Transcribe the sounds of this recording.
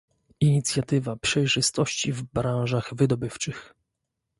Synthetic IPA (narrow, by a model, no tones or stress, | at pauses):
iɲit̪sʲjat̪ɘvapʂɛjʐɘst̪ɔɕt͡ɕivbɾãw̃ʐaɣvɘd̪ɔbɘft͡ʂɘx